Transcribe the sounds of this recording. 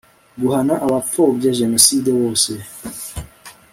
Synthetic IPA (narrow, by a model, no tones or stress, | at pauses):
ɡuhanaʔaβap͡fobɟaʒenosidewoːse